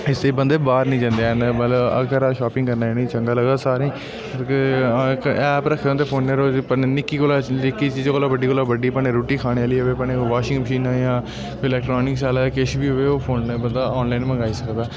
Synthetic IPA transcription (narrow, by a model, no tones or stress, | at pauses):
ɪst̪eiːbənd̪eːbaːɾnĩːd͡ʒãːnd̪enmələbə̰kʰəɾaːʃaːpɪ̃ŋɡkəɾnaːenĩːt͡ʃəŋɡaːləɡd̪aːsaːɾẽː | ək | ɛːpɾəkʰːãːnd̪eːpʰoːnːeːɾoːpənɪkːiːkoːlaːlɪkːiːt͡ʃiːd͡ʒaːkoːlaːbəɖiːkoːlaːbəɖiːəpəneːɾoːʈiːkʰaːɽ̃eːaːliːoʋeːpneʋaːʃɪ̃ŋɡməʃiːnãːjãː | ɪlɛːkʈɾoːnɪksaːlaːkɪʃbiːɦoeːoːpʰoːnːbənd̪aːɔːnlaːiːnməɡaːiːsəkd̪aː